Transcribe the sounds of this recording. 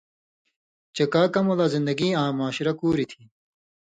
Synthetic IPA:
t͡ɕekaːkɐmolaːzɪnd̪ɐɡiːãːmaːɕɾɐkuːɾit̪ʰi̥ː

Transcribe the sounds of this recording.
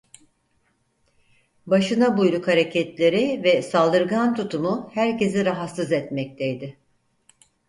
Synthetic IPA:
baʃɯnabujɾukhaɾecʰɛt̪lʲe̞ɾɪvɛsalˠd̪ɯɾɡant̪ʰut̪ʰumʊhæɾce̞ziɾaɦat̪sɯzɛt̪mɛc̚t̪ʰejd̪ɪ

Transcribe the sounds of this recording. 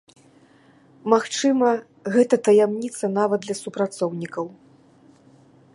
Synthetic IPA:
maxt͡ʂɨmɐ | ɣɛt̪ɐt̪ɐjamnʲit̪sɐnavɐd̪̚d̪lʲɐsupɾat̪sɔwnʲikɐw

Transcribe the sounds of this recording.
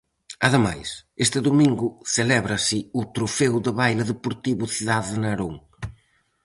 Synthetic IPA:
ɐðəma̰jsest̪ɨðumiŋɡʊselɛβɾɐsɪut̪ɾufɛwðəβajlɐðepuɾt̪iβuθiðaððnɐɾoŋ

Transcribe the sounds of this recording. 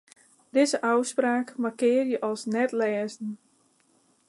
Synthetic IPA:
d̥ɪzəʔawspraːkmarkɪːərjəʔɔlˠsnɛtlɛːzn̩

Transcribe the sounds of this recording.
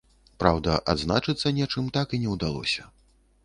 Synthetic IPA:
pɾawd̪ɐʔad̪znat͡ʂɨt̪sːɐnʲɛt͡ʂɨmt̪akinʲɛwd̪alˠɔ̰sʲɐ

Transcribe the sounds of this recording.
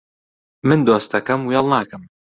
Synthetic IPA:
mɨnd̪oːst̪ɐkɐmwjɛlˠnaːkɨm

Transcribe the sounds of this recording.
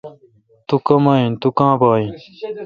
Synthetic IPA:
t̪ukɐmaːĩnt̪ukãːbaːĩn

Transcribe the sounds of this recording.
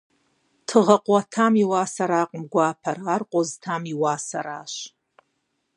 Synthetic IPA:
tʰɨʁɐqʷʼatʰamiwaːsaɾaːqʼəmɡʷaːpʰɐrarqʷʼoztʰamiwaːsa̰ɾa̰ːʃ

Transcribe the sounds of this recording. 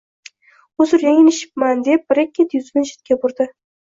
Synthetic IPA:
ʊzɪɾjaŋʲɪnɪʃɪ̥p̚mand̪e̞p̚bɪɾɪkʲʰːet̪jʊzbɪnʃɪ̥t̪̚kʲabʊɾd̪ɪ

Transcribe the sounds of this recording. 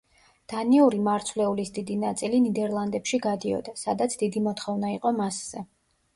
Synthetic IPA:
d̪̥aniuɾimaɾt̪sʰvlɛulisd̪id̪inat̪sʼilinid̪ɛɾlˠand̪ɛpʃiɡad̪iɔ̰d̪asad̪at̪sʰd̪id̪imɔt̪χɔvnaiqʼɔmasz̥ɛ

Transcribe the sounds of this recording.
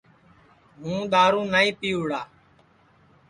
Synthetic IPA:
mũːɗ̪aːɾũːnaːĩːpiːuːɽaː

